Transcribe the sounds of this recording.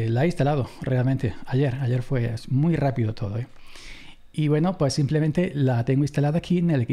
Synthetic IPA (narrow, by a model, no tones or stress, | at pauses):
laeist̪alaðo̞rʔealmẽnt̪e̞aʝe̞ɾaʝe̞ɾfwe̞smujrapiðo̞t̪ʰo̞ðoe | iβwe̞nopwesːimplemẽnt̪e̞lat̪e̞ŋɡoĩnst̪alaðakʰineleki